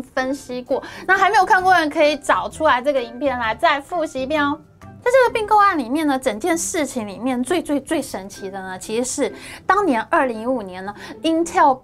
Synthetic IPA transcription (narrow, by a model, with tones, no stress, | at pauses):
fə˦˥nɕi˥kwɔ˥˩na˥˩xa˧˥ɪme˧˥ɪjo˨˩kʰa˥˧nkwɔ˥˧ɻə˧˥nkʰɤ˧˥i˨˧˩ʈ͡ʂɑ˨˩ʊʈ͡ʂʰu˥la˧˥ɪʈ͡ʂɤ˥˩ɡə˩i˧˥ŋpʰjɛ˥˩nla˧˥ɪt͡sa˥˧ɪfu˥˩ɕi˧˥pɛ˥n˥ | t͡sɪʈ͡ʂɤ˥˩ɡə˩pi˥˧ŋko˥˧ʊa˥˩nli˨˩mjɛ˥˩nd̪ə˩ʈ͡ʂə˨˩ŋt͡ɕjɛ˥˧nʂɻ̩˥˩t͡ɕʰi˧˥ŋli˨˩mjɛ˥˧nt͡swe˥˧ɪt͡swe˥˧ɪt͡swe˥˩ɪʂə˧˥nt͡ɕʰi˧˥d̪ə˧nə˩t͡ɕʰi˧˥ʂʂɻ̩˥˩t̪ɑ˥ŋnjɛ˧˥nʔə˞˥˩li˧˥ŋi˥u˨˩njɛ˧˥nə˨i˥nt̪ʰjɑ˥˧˩ʊ